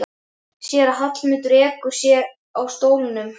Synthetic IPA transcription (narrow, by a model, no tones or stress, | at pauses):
sjɛɾaɦat̪lmɪt̪ʏɾɛːkʏɾ̥sjɛɾ | awst̪oːwlɪnːʏm